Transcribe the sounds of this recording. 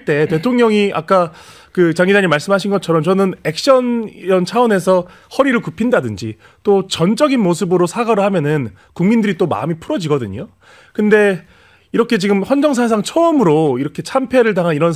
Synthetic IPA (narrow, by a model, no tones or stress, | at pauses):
t͈e̞te̞tʰoŋɲʌŋiʔa̰k͈a | kɯt͡ɕaŋid͡ʑaɲimaɭs͈ɯmɦaɕʰinɡʌt͡ɕʰʌɾʌmt͡ɕʌnɯne̞k̚ɕ͈ʌnɾʌnt͡ɕʰaʌne̞sʰʌ | hʌɾiɾɯɭkupʰindadɯnd͡ʑi | t͈ot͡ɕʌnt͡ɕ͈ʌɡinmos̬ʰɯbɯɾosʰaɡaɾɯɭhamjʌnɯn | kuŋmindɯɾit͈oma̰mipʰuɾʌd͡ʑiɡʌdɯɲo | kɯnde̞ | iɾʌkʰe̞t͡ɕiɡɯmɸwʌnd͡ʑʌŋs̬ʰas̬ʰaŋt͡ɕʰʌɯmɯɾoiɾʌkʰe̞t͡ɕʰampʰe̞ɾɯɭt̬aŋɦaniɾʌn